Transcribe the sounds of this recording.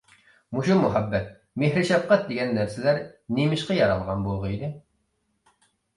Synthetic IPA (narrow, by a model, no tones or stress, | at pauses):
muʃumuɦæbːɛt̪̚ | meɦɾɪʃɛp̚qɑt̪̚d̪ɪɡʲɛnːæɾsɪlæɾnemɪʃqɑjɑɾɑlˠʁɑnbolˠʁəid̪ɪ